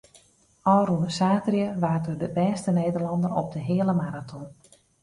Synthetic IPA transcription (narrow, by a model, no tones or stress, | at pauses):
ɔːrunsaːtrjəʋaːtədəbɛːstəneːdərlɑndəɾɔ̰b̚dəɦɪələmaɾatʰɔn